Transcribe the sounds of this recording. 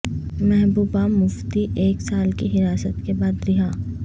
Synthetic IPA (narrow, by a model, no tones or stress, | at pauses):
mɛɦbuːbamʊft̪iʔeːksaːlkiɦɪɾaːsət̪kebaːd̪ɾɪɦaː